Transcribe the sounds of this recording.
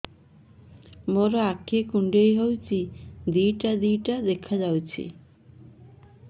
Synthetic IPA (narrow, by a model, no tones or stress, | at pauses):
moɾɔakʰekuɳɖejɦowt͡ʃʰid̪ijʈad̪ijʈad̪ekʰad͡ʒawt͡ɕʰḭ